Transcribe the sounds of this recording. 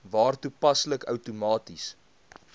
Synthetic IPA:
vɑːrtupɐsləkœwtumɑːtis

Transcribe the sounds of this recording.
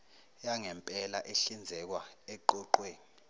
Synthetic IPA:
jaŋɛmpʼɛlaʔeɬind͡zʱɛk̬waɛǃɔǃweːni

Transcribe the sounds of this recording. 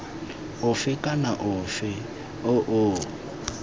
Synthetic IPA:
ʊfɪkʼanaʔʊfɪ | ʊʔʊ

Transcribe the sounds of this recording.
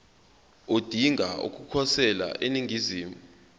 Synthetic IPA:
od̥ʱiŋʱaṵk̬ʼukʰɔsɛla̰ʔeniŋiziːmu

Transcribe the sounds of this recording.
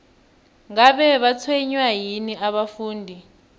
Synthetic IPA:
ŋaɓɛɓat͡sʰweɲwajiniʔaɓafuːndʱi

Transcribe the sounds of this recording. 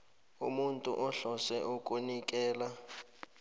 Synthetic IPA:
ṵmuntʼṵʔɔɬɔsɛʔukʼunikʼɛːla

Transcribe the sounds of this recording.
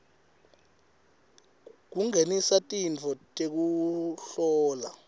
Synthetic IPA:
k̬uŋenisatʼint͡fʰɔtʼek̬uɬɔːla

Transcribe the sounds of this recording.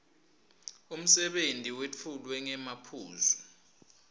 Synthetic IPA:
um̩sɛɓentʼiwet͡fʰulwɛŋɛmapʰuːzu

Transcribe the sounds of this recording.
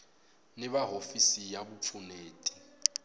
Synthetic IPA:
nɪβaɦofisijabufʰuneːtʼi̥

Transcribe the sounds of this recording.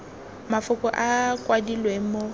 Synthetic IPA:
mafʊkʼɔʔakʼwadilwemo

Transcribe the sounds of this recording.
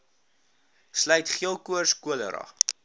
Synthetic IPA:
slœɥtχiəlˠkuərskuələ̰ɾɑ̰

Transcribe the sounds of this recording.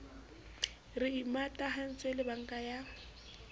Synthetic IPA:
rɪimatʼaɦan̩t͡sʼwelɪbaŋ̩kʼaja

